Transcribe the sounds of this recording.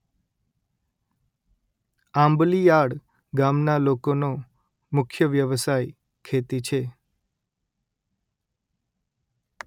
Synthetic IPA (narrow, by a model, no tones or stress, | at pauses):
ãmblijaɽ | ɡamnalokono | mʊkʰjəʋjəʋsaj | kʰet̪it͡ʃʰe